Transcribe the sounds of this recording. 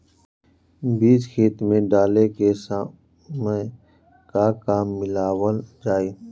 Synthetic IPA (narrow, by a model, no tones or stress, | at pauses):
biːsxʰeːt̪mẽːɖaːleːkeːsa | m | kaːkaːmːɪlaːwəld͡ʒaːiː